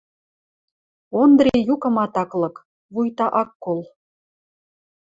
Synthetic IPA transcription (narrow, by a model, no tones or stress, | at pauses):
ond̪ɾejukɤ̆mɑt̪ɑklɤ̆k | βujt̪ɑʔɑkːol